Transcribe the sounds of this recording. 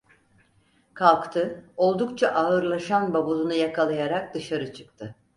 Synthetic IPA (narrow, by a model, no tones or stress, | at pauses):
kʰalˠkt̪ʰɯo̞lˠd̪ukt͡ʃʰaʔaɯɾlˠaʃanbabuzˠunujakʰalˠajaɾak̚d̪ɯʃaɾɯt͡ʃʰɯ̥k̚t̪ʰɯ